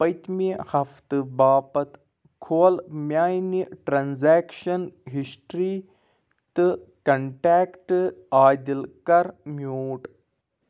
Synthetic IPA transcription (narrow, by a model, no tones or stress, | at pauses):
pɐjt̪mihɐft̪ɨbaːpɐt̪ | kʰoːlmjaːjniʈɾanzeːkʃɐnɦisʈɾiː | t̪ɨkɐɳʈaːkʈɨaːd̪ilkɐɾmjoːʈ